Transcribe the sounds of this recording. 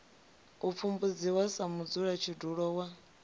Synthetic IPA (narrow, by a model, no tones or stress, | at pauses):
up̪fumbud͡ziwasamud͡zuɺat͡ʃʰiduɺɔwa